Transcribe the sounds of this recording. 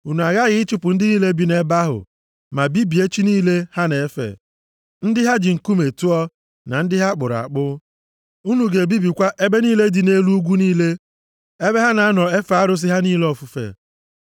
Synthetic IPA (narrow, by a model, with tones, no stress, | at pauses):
u˨nu˨a˨ɣa˦ɣɪ˦ɪ˦t͡ʃʊ˦pʊ˨n̩˦dɪ˦niː˦le˦bi˦ne˦ba˦ɦʊ̰˨ | ma˨bi˦bi˨e˦t͡ʃi˦niː˦le˦ha˦ne˨e˦fḛ˨ | n̩˦dɪ˦ɦa˦d͡ʒɪ˨ŋ̩˨ku˦me˨tu˦ɔ˦ | na˨n̩˦dɪ˦ɦa˦k͡pʊ˨ɾa̰˨k͡pʊ˦ | u˦nu˨ɡe˨bi˦bi˨kʷa˦ʔe˦be˦niː˦le˦di˨ne˦lu˦u˦ɡʷu˦niː˦le˦ | e˦be˦ɦa˦na˨a˦nɔ˨e˦fa˨a˦ɾʊ˦s̬ɪ˦ɦa˦niː˦le˦ɔ˨fu˨fḛ˨